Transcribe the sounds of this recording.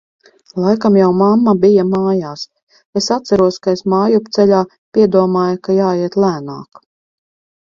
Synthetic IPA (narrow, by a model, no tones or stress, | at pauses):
lˠajkamjawmamːabijamaːjaːs | esat̪sæɾuɔskaesmaːjupt̪sɛʎʲaː | pʲiɛd̪uɔmaːjkajaːiɛt̪lˠæːna̰ːk